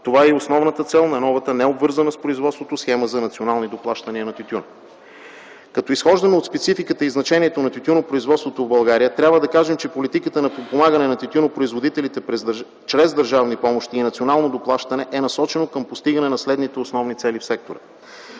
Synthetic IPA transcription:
t̪ovaɛiosnɔvnət̪ət̪sɛlˠnɐnɔvɐt̪ənɛobvɤɾzənəspɾoizvɔt̪st̪vot̪osxɛməzɐnɐt̪sionalˠnid̪oplˠaʃt̪ɐniənɐt̪ʲut̪ʲun | kɐt̪ɔisxɔʒd̪ɐnoːt̪spɛt̪sifikət̪əiznɐt͡ʃɛniɛt̪onɐt̪ʲut̪ʲunopɾoizvɔt̪st̪vot̪ovbɐlˠɡaɾiət̪ɾʲabvəd̪ɐkaʒɛmt͡ʃɛpolit̪ikət̪ənɐpot̪̚pomaɡənɛnɐt̪ʲit̪ʲunopɾoizvod̪it̪ɛlit̪ɛpɛ | t͡ʃɾɛzd̪əɾʒavnipɔmoʃt̪iːnɐt̪sionalˠnod̪oplˠaʃt̪ɐnɛʔɛnɐsɔt͡ʃɛnokəmpost̪iɡɐnɛnɐslɛd̪nit̪ɛosnɔvnit̪sɛlifsɛk̚t̪oɾə̰

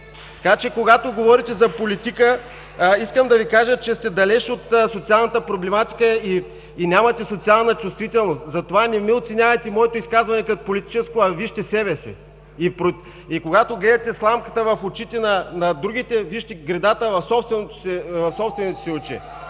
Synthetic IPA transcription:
t̪ɐ̥kat͡ʃɛkoɡat̪oɡovɔɾit̪ɛzɐpolit̪ikə | iskəmd̪ɐvikaʒət͡ʃɛst̪ɛd̪ɐlɛʃot̪sot̪sialˠnɐt̪əpɾoblɛmat̪i̥kəiː | nʲamɐt̪ɛsot̪sialˠnɐt͡ʃust̪vit̪ɛlˠnost̪zɐt̪ovanʲɛmiot̪sɛnʲavɐjt̪ɛmɔɛt̪oʊiskazvɐnɛkɐt̪opolit̪i̥t͡ʃɛskoɐviʃt̪ɛsɛbɛsɛ̰ | ipɾo | ikoɡat̪oɡlɛd̪ɐt̪ɛslˠamkət̪əvɐfot͡ʃit̪ɛnɐnɐd̪ɾuɡ̟it̪ɛviʃt̪ɛɡɾɛd̪at̪əvɐfsɔpst̪vɛnot̪o̥sɛvɐfsɔpst̪vɛnot̪o̥sɛʊt͡ʃɛ̰

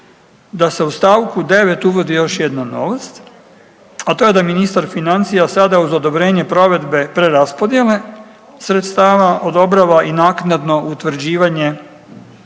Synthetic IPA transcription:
d̪ase̞ust̪aːʋkud̪e̞ʋe̞t̪uʋo̞d̪ijo̞ʃjed̪nano̞̰ʋast̪ | at̪o̞je̞d̪aminist̪aɾfinant̪sijasad̪auzo̞d̪o̞bɾe̞ːɲe̞pɾo̞ʋe̞d̪be̞pɾe̞ɾaspo̞d̪je̞le̞ | sɾe̞t̪st̪aːʋaʔo̞d̪o̞bɾaʋaʔinaːknad̪no̞ʔut̪ʋɾ̩d͡ʑiːʋaɲe̞

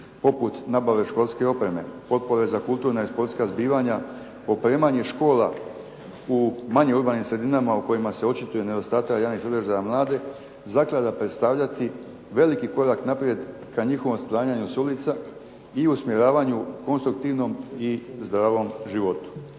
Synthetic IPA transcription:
po̞put̪nabaʋe̞ʃko̞lʲˠske̞o̞pɾe̞me̞̰po̞t̪̚po̞ɾe̞zakult̪uːɾnaispo̞ɾt̪skazbiːʋaɲa | o̞pɾe̞ːmaɲeʃko̞ːla | umaɲeuɾbaːnimsɾe̞d̪inamauko̞jimase̞o̞t͡ʃit̪uje̞ne̞d̪o̞st̪aːt̪akjaːʋnixsad̪ərʒajamlˠaːd̪e̞ | zaklˠad̪apɾet̪st̪aːʋʎat̪i | ʋe̞likiko̞ɾaknapɾje̞d̪kaɲixoʋo̞mst̪ɾaːɲaɲusulit̪sa | iusmje̞ɾaːʋaɲuko̞nst̪ɾuk̚t̪iʋno̞mizd̪ɾaːʋo̞mʒiʋo̞t̪u̥

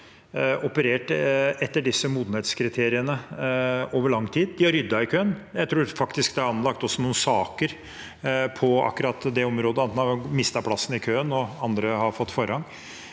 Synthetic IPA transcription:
ɔpəɾeːʈɛt̪ːəɖɪsːəmuːd̪n̩heːt̪skʰɾɪt̪ʰeːɾɪənə | oːʋəɭɑŋːt̪ʰiːd̪̚d̪ɪhɑɾːʏd̪ːɑɪkʰøːənjæɪt̪ʰɾuːɾfɑkt̪ɪskd̪ɛɑɾɑnlɑk̚t̪ɔsːɔnuːən̩sɑːkəɾ | pʰɔɑ̰kːʉɾɑt̪ːd̪ɛɔmɾoːd̪əɑt̪ɛnɑmɪst̪ɑpʰlɑsːən̩ɪkʰøːənɔɑnd̪ɾəhɑɾfɔt̪ːfɔɾhɑŋ

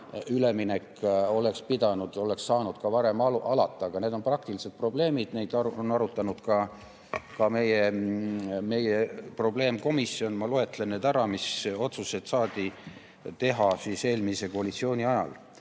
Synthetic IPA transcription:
yle̞minekːo̞le̞kspid̪ɑnud̪̥o̞le̞ksːɑːnud̪̥kɑvɑɾe̞mɑɑlɑ̰t̪ːˑɑɡ̥ɑne̞ːd̪o̞nprɑk̚t̪iliset̪̚pro̞ble̞ːmid̪̥ne̞jd̪ɑonɑɾut̪ːˑɑnud̪̥kɑ | kɑme̞je̞ | me̞jepro̞ble̞ːmko̞misːio̞nmɑloe̞t̪ːˑlenneːd̪æɾɑmiso̞t̪suse̞d̪̥sɑːd̪̥i | t̪e̞ɦɑsiːse̞ːlmise̞ko̞ɑlit̪sio̞ːnʲiɑjɑ̰l

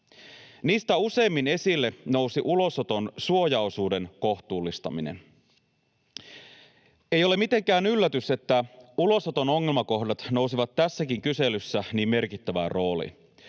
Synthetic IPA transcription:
niːst̪æuse̞ːmːine̞silːeno̞wsiʔulo̞sot̪o̞nsuo̞jɑosuːde̞nko̞ht̪uːlːist̪ɑ̰minḛn | ejo̞le̞mit̪e̞ŋkæːnylːæt̪yse̞t̪ːæulo̞sot̪o̞no̞ŋːe̞lmɑko̞hdɑt̪no̞wsiʋɑt̪ːæsːækiŋkyse̞lysːæniːmːe̞rkit̪ːæʋæro̞ːlḭ

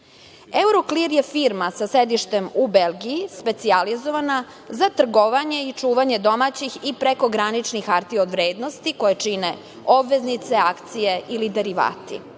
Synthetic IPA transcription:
euɾokliɾjefiɾmasasɾed̪iʃt̪e̞mubelˠɡijispe̞t̪sializoʋana | zat̪r̩ɡoʋaɲe̞it͡ʂuːʋaɲe̞d̪o̞mat͡ɕixipɾeko̞ɡɾanit͡ʃnixaɾt̪iod̪ʋɾeːd̪no̞st̪iko̞jet͡ʃine | obʋe̞znit̪seakt̪sije̞ilid̪e̞ɾiʋa̰ːt̪ḭ

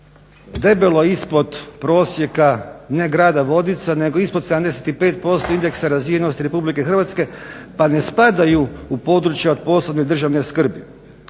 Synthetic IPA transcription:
d̪e̞beloispo̞d̪pɾo̞ːsje̞kane̞ɡɾaːd̪aʋo̞d̪it̪sane̞ɡo̞isposed̪amd̪e̞se̥t̪ipe̞ːt̪po̞st̪o̞ind̪e̞ksaɾazʋijenost̪iɾe̞publikexrʋat̪ske̞pane̞spad̪ajuupo̞d̪ɾut͡ʃjaod̪̚po̞ːsloʋne̞d̪r̩ʒaʋne̞skr̩bi

